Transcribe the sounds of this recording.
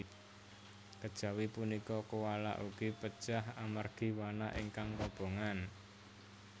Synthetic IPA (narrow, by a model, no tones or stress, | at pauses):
kəd̥ʒ̥a̤wipunikɔkuwala̰ʔuɡ̥ipə̥ʒ̥aɦamarɡ̥i̤wanaʔiŋkaŋkɔb̥o̤ŋan